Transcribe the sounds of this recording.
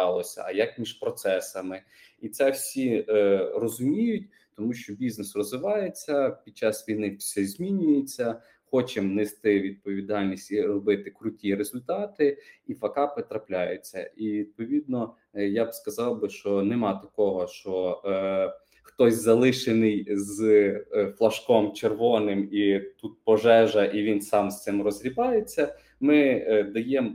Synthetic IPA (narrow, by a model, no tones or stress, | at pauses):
ɑlˠɔsʲɐ̰ɐjɐkmʲiʒpɾɔt̪sɛsɐmɪ | it̪sɛwsʲi | rɔzʊmʲijʊtʲ | t̪ɔmuʃt͡ʃɔbʲiznesrɔzʋɪʋɑjet͡sʲːɐpʲid̪̚t͡ʃɑsʋʲijnɪsɛzʲmʲinʲʊjet͡sʲːɐ | xɔt͡ʃemnest̪ɪʋʲid̪̚pɔʋʲid̪ɑlʲnʲisʲtʲiɾɔbɪt̪ɪkɾʊtʲiɾezʊlʲt̪ɑt̪ɪifɐkɑpɪt̪ɾɐplʲajet͡sʲːɐ̰ʔiʋʲid̪̚pɔʋʲid̪̚nɔ | jabskɐzɑwbɪʃt͡ʃɔnemɑt̪ɐkɔɦɔʃt͡ʃɔ | xt̪ɔsʲzɐlˠɪʃenɪjz | flˠɐʃkɔmt͡ʃerʋɔnɪmit̪ut̪̚pɔʒɛʒɐʔiʋʲinsɑmst̪sɪmrɔzɾʲibɑjet͡sʲːɐ | mɪd̪ɐjem